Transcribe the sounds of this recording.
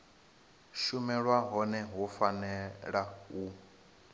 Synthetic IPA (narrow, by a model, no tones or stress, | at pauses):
ʃumɛɺwaɦɔnɛɦufanɛɺau